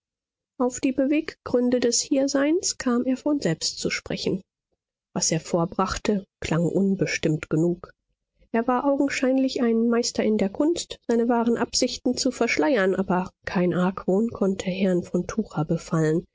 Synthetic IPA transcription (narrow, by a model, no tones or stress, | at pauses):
ʔaʊfd̥iːbəveːkɡ̥ʁʏndədɛshiːɐzaɪnskʰaːmeːɐfɔnz̥ɛlpstt͡suʃpʁ̥ɛ̰çn̩ | v̥asʔeːɐfoːɐbʁaχtəkʰl̥ʔaŋʔʊnbəʃtɪmtɡ̥ənuːk | ʔeːɐvaːɐʔaʊɡŋ̩ʃaɪnlɪçaɪnmaɪstɐɪndeːɐkʰʊnstz̥aɪnəvaːʁənʔapz̥ɪçtn̩t͡sufɛɐʃlaɪɐnʔaːbɐkʰaɪnʔaɐkv̥oːnkʰɔntʰəɦɛɐnfɔntʰuːʁɐbəfalən